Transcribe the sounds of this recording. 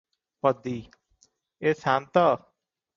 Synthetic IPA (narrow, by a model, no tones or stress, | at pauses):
pəd̪iː | eːsaːnt̪a